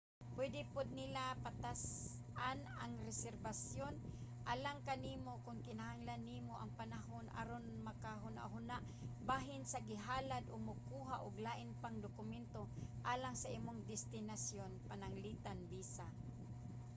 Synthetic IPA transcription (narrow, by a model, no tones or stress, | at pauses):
pwɛd̪ɪpʊd̪̚nɪlapat̪as | ʔanaŋɾɛsɛɾbasjonʔalaŋkaniːmokʊŋkɪnahaŋlanːiːmoʔaŋpanaɦonʔa̰ɾonmakaɦʊna̰ʔɦʊnaʔ | baːɦɪnsaɡɪɦaːlad̪ʔʊɡ̚mʊkuːɦaʔʊɡlaːʔɪnpaŋd̪ʊkʊmɛnt̪oʔaːlaŋsaʔiːmoŋd̪ɪst̪ɪnasjonpanaŋliːt̪anbiːsa